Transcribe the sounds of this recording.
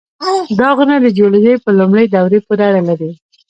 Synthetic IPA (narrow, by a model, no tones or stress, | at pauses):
d̪ɑɣunad̪əd͡ʒoled͡ʒəjpəlumɽəjd̪awɾepoɾeaɽalaɾi